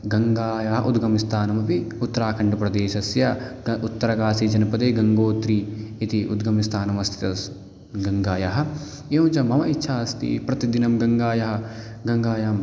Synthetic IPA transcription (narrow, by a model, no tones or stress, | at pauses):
ɡɐŋɡaːjɐɦɐ̰ʔud̪ɡɐmist̪ʰaːnɐmɐpiut̪ːɐɾaːkʰɐɳɖɐpɾɐd̪eːʃɐsjɐʔut̪ːɐɾɐɡaːsid͡ʒɐnɐpɐd̪eːɡɐŋɡoːt̪ɾiːit̪iʔud̪ɡɐmist̪ʰaːnɐmɐst̪ʰi̥t̪ɐs | ɡɐŋɡaːjɐɦɐ̆ | joːt͡ʃɐmɐmɐitːʃʰaːst̪ḭpɾɐt̪id̪inɐmɡɐŋɡaːjɐɦɐ | ɡɐŋɡaːjam